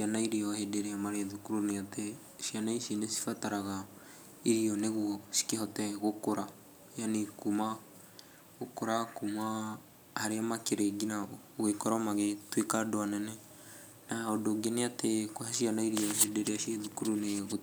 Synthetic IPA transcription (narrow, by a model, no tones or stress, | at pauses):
ʃianaiɾiɔhedeɾeamaɾeðukuɾuneate | ʃianaiʃinesi̥fataɾaɣa | iɾiɔneɣuɔʃi̥kehɔtɛɣokoɾa | janekuma | ɣokoɾakuma | haɾeamakeɾeɡina | oɣekɔɾamaɣetwekadoanɛnɛ | naɔdoɡeneatekwaʃianaiɾiɔɦedeɾeaʃeðukuɾuneɣo